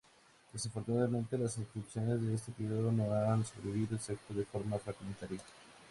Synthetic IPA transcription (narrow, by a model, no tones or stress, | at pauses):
d̪̥e̞safo̞ɾt̪unaðamẽ̞nt̪e̞lasinsk̪ɾipsjo̞ne̞zðe̞est̪e̞peɾjo̞ðo̞no̞aanso̞βɾeβiβiðoelsekst̪oðefo̞ɾmafɾaɣment̪aɾjiḁ